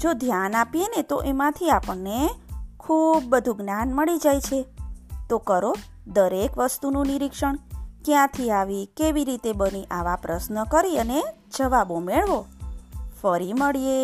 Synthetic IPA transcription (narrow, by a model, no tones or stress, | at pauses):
d͡ʒod̪ʱjanapjenet̪oʔemãt̪ʰiapəɳnekʰub̚ːəd̪ʱuɡnanməɭid͡ʒajt͡ʃʰet̪okəɾo | d̪əɾekʋəst̪unũniɾikʃəɳkjãt̪ʰiaʋikeʋiɾit̪ebəniʔaʋapɾəsnəkəɾiəne | d͡ʒəʋabomeɭʋo | fəɾiməɭije